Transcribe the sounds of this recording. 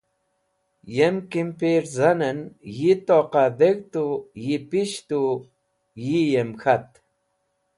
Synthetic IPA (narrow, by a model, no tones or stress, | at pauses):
jemkimpiɾzanənjit̪oqad̪eɣt̪ujipiʃt̪u | jijemxat̪